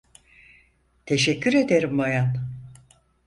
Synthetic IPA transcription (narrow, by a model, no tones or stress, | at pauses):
t̪ʰe̞ʃɛcʰːyɾe̞d̪e̞ɾimbojan